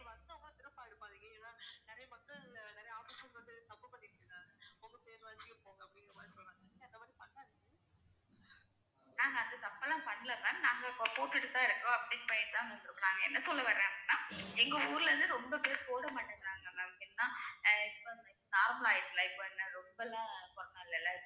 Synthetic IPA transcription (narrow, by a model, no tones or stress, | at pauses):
ʋɐnd̪ɯɐat̪ɪɾɐpːaːɪɽɯpːaːðɯŋɡɐenːaːnɛɾɐjɐmɐkːɐɭnɛɾɐjɐaːfiːsɐlsʋɐnd̪ɯt̪ɐpːɐpːɐʈːɪɾɯkaːŋɐɔmbɐseːɾʋaːt͡ʃɪkːɐ̃poːɣɐɐpːɐɽɪ̃ɾɯmaːðsɔlaŋɐnɐnd̪ɐmaːd̪ɾipɐnaːðɯkː | naːŋɡɐːnd̪ɐt̪ɐpːɐlãːpɐnːɪlɐkaːnnãːŋɡɐpːopoːʈːɪɽɯt̪ːaːɪɾɯkːʊ̃ɐpːɐɽɪnːɐpɐjɐnt̪ãːkɐnɖ̪ɯɾɯkːɐɾaːŋɡɐɛnːɐsɔlːɐʋɐɾẽːɐpɽɪnːaːɛŋɡɐuːɾɯlɾɯnd̪ɯɾɔmbɐpeːɾpoːɽɐmaːʈːɯŋɡɐɾaːŋɡɐnɐkɪnnːãːɪpːonɐsaːɦaːjɪʈːɯlaːɪpːoɛnːɐɾɔmbɐlãːpɔɾnɐ̃ːɪlːɐlːɐ